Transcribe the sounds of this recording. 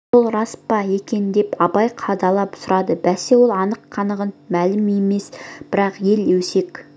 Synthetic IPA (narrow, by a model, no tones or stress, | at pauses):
olˠɾɑspɑe̞kʲe̞nd̪e̞pɑbɑjqʰɑd̪ɑlˠɑpsʊɾɑd̪əbæse̞wo̞lˠɑnəqːʰɑnəʁənmælɪme̞me̞sbɪɾɑqje̞lɵse̞kʲ